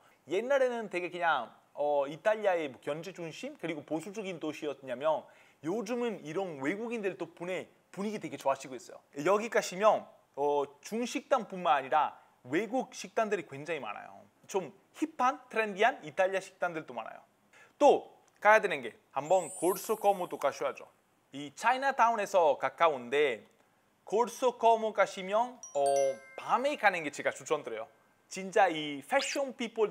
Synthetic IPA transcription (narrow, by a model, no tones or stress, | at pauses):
je̞nːaɾe̞nɯntwe̞ɡe̞kɯɲaŋ | ʌit͈ʰaʎːiae̞mʌkjʌnd͡ʑed͡ʑuŋɕʰimkɯɾiɡoposʰud͡ʑʌɡintoɕʰiʌs͈ɯɲamjʌn | jod͡ʑumɯniɾʌnwe̞ɡuɡindɯɭt͈opune̞ | puɲiɡitwe̞ɡe̞t͡ɕoaɕʰiɡoes͈ʌ̰jo̰jʌɡik͈aɕʰimjʌn | ʌt͡ɕuŋɕʰik̚t͈anpunmanaɲiɾa | we̞ɡuk̚ɕʰik̚t͈andɯɾikwe̞nd͡ʑaŋima̰ɾa̰jo̰ | t͡ɕom | çipʰantʰɯɾendiɦanitʰaʎːiaɕʰi̥k̚t͈andɯɭt͈oma̰na̰jo̰ | t͈o | k͈ajadwenɯnɡe̞ | hambʌnkoɭs͈ʰɯk͈ʌmot͈ok͈aɕʰoɦad͡ʑo̰ | it͡ɕʰainatʰaune̞sʰʌkak͈aɯnde̞ | koɭs͈ʰɯkʌmok͈aɕʰimjʌnʌpamekanɯnɡe̞t͡ɕeɡat͡ɕut͡ɕʰʌndɯɾe̞̰jo̰ | t͡ɕint͡ɕ͈aiɸʰeɕ͈ʌnpʰipʰoɭ